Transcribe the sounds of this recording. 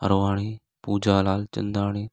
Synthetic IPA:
ə̰ɾoːʋaːɳeː | puːd͡ʒaːlaːlt͡ʃə̰̃nd̪aːɽeː

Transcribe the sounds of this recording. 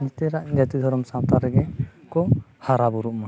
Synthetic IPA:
nɛt̪ɛɾaʔd͡ʒat̪id̪ʱɔɾɔmsãwt̪aɾɛɡɛkɔhaɾabuɾuʔma

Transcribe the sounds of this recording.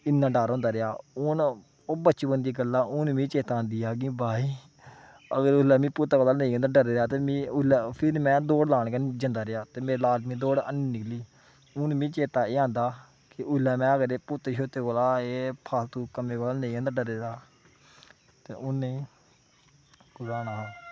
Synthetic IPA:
ɪnːãːɖaːɾõːnd̪aːɾejaːʊn | oːbətːt͡ʃiːbənd̪iːɡəlːaːʊnmĩːt͡ʃeːt̪aːaːnd̪iːaːɡĩːbaːiː | əɡəɾʊlɛːmĩːpʊt̪ːaːkoːlaːnẽĩãːnd̪aːɖəɾeːɾaːt̪eːmĩːʊlɛːpʰɪɾmɛ̃ːd̪oːɽlaːɳ̃kənd͡ʒənd̪aːɾeaːt̪eːmeːlaːɖmĩːd̪oːɽə̰niːnɪkʰliː | ʊnmĩːt͡ʃeːt̪aːeːãːnd̪aː | kɪʔʊlːɛːmɛ̃ːəɡəɾeːpʊt̪eʃoːt̪eːkoːlaːeːpʰaːlt̪ũːkəmeːkoːlaːnẽĩãːnd̪aːɖəɾeːd̪aː | t̪ḛːʔʊnːe | kʊbaːnaːɦaː

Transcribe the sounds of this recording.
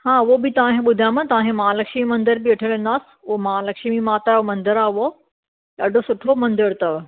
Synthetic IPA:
hãːʊɦobɪt̪ɐʋ̤ãkẽɓʊd̪ʱajãmɐ̃t̪ɐʋãɦẽmalɐkʃmimɐ̃nd̪əɾbɪɐʈʰələ̃nd̪aːsɪ̥ʊomaalɐkʃmimaːt̪aomɐ̃nd̪əɾaːʊɦo | ɐɖʱosʊʈʰomɐ̃nd̪əɾt̪ɐʋ

